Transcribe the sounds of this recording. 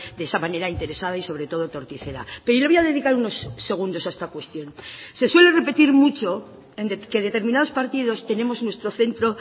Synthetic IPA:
d̪eesamane̞ɾaint̪e̞ɾe̞sað̞aiso̞β̞ɾe̞t̪o̞ð̞ot̪o̞ɾt̪iθe̞ɾa̰peɾileojaðe̞ðikaɾuno̞sːe̞ɣ̞und̪o̞saest̪akwe̞st̪jo̞nse̞swe̞le̞re̞pe̞t̪iɾmut͡ʃo̞ | end̪ke̞ðe̞t̪e̞ɾmĩnað̞o̞spaɾt̪ið̞o̞st̪e̞ne̞mo̞znwe̞st̪ɾo̞θe̞nt̪ɾo̞

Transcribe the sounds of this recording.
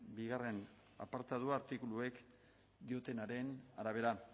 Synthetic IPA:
biɣare̞n | a̰paɾt̪að̞uaɾt̪ikulue̞k | d̪io̞t̪e̞naɾe̞naɾaβ̞e̞ɾa

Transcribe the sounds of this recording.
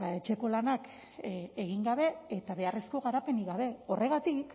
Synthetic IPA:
aet͡ʃe̞ko̞lanak | eɣiŋɡaβ̞e̞et̪aβe̞are̞sko̞ɣaɾape̞niɣaβe̞o̞rʔe̞ɣat̪ik

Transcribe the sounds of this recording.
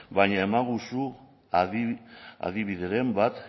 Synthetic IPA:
baɲaemaɣusu | a̰ðiβiðeɾe̞mbat̪

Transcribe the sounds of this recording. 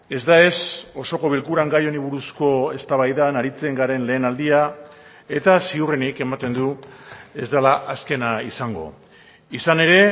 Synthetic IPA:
e̞zd̪ae̞so̞so̞ko̞βilkuɾaŋɡajo̞niβuɾusko̞e̞st̪aβajðanaɾit͡se̞ŋɡaɾe̞nle̞ːnald̪ia | e̞t̪asiurenike̞mat̪e̞nd̪ue̞zd̪alaʔaske̞naisaŋɡo̞̰ | isane̞ɾe̞

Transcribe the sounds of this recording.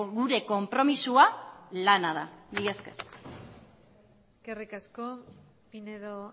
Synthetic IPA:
ɡuɾe̞ko̞mpɾo̞misualanaðaβieskḛ | eske̞rikasko | pineðo

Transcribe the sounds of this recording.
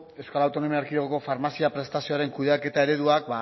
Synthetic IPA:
e̞wskalawt̪o̞no̞miaɾkieɣoko̞faɾmasiapɾe̞st̪asio̞aɾe̞ŋkuðeake̞t̪ae̞ɾe̞ðuak̚ba

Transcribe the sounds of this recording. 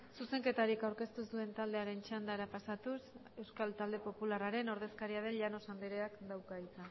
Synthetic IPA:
suse̞ŋke̞t̪aɾikawɾke̞st̪usd̪ue̞nt̪ald̪eaɾe̞nt͡ʃand̪aɾapasat̪us | e̞wskalt̪ald̪e̞po̞pularaɾe̞no̞ɾð̞e̞skaɾiaðe̞nʎano̞sambeɾe̞akd̪awkait͡s̪a

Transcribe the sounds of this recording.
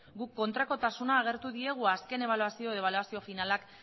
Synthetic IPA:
ɡukːo̞nt̪ɾako̞t̪asunaːɣ̞e̞ɾt̪uðie̞ɣ̞uaske̞ne̞β̞aluasio̞eβ̞aluasio̞finalak

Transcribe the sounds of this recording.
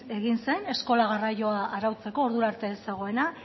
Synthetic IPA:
e̞ɣinse̞ne̞sko̞laɣ̞araʝo̞aʔaɾawt͡se̞ko̞ːɾðuɾaɾt̪e̞esaɣ̞o̞e̞na

